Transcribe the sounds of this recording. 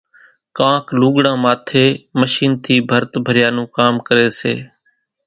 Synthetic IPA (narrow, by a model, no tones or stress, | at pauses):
kãːkluːɠɽãːmaːt̪ʰeːməʃiːnt̪ʰiːbʱəɾt̪bʱəɾɪjaːnũːkaːmkəɾeːsḛː